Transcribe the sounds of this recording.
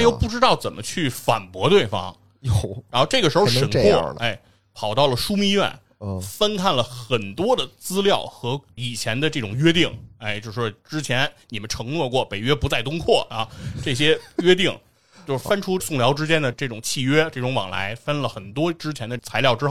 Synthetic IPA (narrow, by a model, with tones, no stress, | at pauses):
jo˥˧ʊpu˥˩ʈ͡ʂɻ̩˥t̪ɑ˥˩ʊt͡sə˨˩mʔə˦t͡ɕʰy˥˩fa̰˨˩npwɔ˧˥t̪we˥˩ɪfɑ̰˥ŋ | ɻa˧˥nxo˧ʊʈ͡ʂɤ˥˩ɡəʂɻ̩˧˥xo˥˧ʊʂʂə˨˩ŋwɔ˥˧˩e˥˩ɪ | pʰɑ˨˩ʊt̪ɑ˥˩ʊlə˩ʂu˥mi˥˧ɥɛ̰˥˩n | fə˥nkʰa˥˩nlə˩xə˨˩nt̪wɔ˥d̪ə˨t͡sɹ̩˥ljɑ˥˩ʊxɤ˧˥i˨˩t͡ɕʰjɛ˧˥nd̪ə˧ʈ͡ʂɤ˥˩ʈ͡ʂʊ˨˩ŋɥɛ˥t̪i˥˩ŋe˥˧ɪt͡ɕjʂ̩˩ʂwɔ˥ʈ͡ʂɻ̩˥t͡ɕʰjɛ˧˥nni˨˩mə˦nʈ͡ʂʰɤ˧˥ŋnwɔ˥˧kwɔ˥˩pe˨˩ɪɥɛ˥pu˧˥t͡sa˥˩ɪt̪̬ʊ˥ŋkʰwɔ˥˩a˥˧ʈ͡ʂɤ˥˩ɕ̬jɛ˥ɥɛ˥t̪i˥˩ŋ | t͡ɕjo˥˧ʊʂfə˥nʈ͡ʂʰu˥sʊ˥˩ŋljɑ˧˥ʊʈ͡ʂɻ̩˥t͡ɕjɛ˥nd̪ə˨ʈ͡ʂɤ˥˩ʈ͡ʂʊ˨˩ŋt͡ɕʰi˥˩ɥɛ˥ʈ͡ʂɤ˥˩ʈ͡ʂʊ˧˥ŋwɑ̰˨˩ŋla̰˧˥ɪfə˥nlə˨xə˨˩nt̪wɔ˥ʈ͡ʂɻ̩˥t͡ɕʰjɛ˧˥nd̪ə˧t͡sʰa˧˥ɪljɑ˥˩ʊʈ͡ʂɻ̩˥x